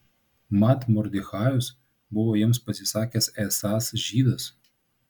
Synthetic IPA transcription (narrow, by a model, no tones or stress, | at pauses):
mɑt̪mɔɾd̪ʲɪxɑːjʊs | bʊʋoːjɪmspɐsʲɪsɑːkʲɛːsɛsɑːsʒʲiːd̪ɐs